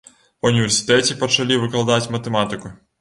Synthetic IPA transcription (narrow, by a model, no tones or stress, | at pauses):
unʲivʲɛrsʲi̥t̪ɛt͡sʲipɐt͡ʃɐlʲiʋɨklˠɐd̪at͡sʲmɐt̪ɛmat̪ɨkʊ